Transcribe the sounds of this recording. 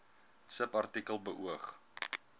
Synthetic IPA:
səpɐrtikəlˠbəʔuəχ

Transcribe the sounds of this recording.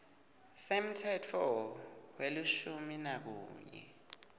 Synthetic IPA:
sem̩tʰɛtʰɔweluʃuminak̬ṵːɲɛ̰

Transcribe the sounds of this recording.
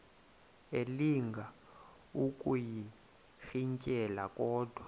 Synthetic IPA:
eliŋɡʱa | ukʼuji | xiŋcʼɛlakʼɔːd̥ʱwa

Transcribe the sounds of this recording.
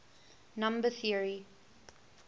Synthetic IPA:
nãmbəθiəɹi

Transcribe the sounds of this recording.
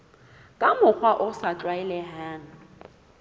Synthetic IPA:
kʼamʊk͡xwaʔʊsat͡ɬʼwaɛlɛɦaːnʊ

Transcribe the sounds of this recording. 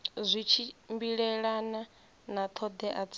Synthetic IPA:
zʷit͡ʃʰimbiɺɛɺana | nat̪ʰɔd̪ɛʔad͡z

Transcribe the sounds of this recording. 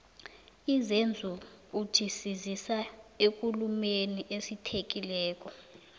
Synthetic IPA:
izend͡zʱu | u̥ʒ̥ʰʱisizisaek̬ʼulumeniʔesitʰek̬ʼilɛːk̬ʼɔ

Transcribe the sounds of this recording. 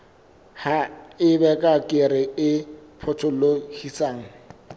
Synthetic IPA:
haɪbɛkʼakʼɪɾɪɪpʰʊtʰʊlohisaːŋ̩

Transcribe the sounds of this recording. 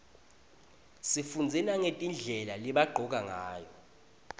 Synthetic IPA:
sifund͡zʱɛnaŋetʼind͡ɮʱɛlaliɓaɡ͡ǃʱɔk̬ʼaŋaːjɔ

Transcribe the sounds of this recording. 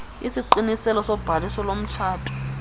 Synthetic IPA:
isiǃinisɛlɔsɔb̥ʱalisɔlom̩tʰaːtʰɔ̥

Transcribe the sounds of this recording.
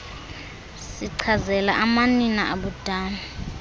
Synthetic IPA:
siǀʰazɛlaʔamaninaʔaɓud̥ʱaːna

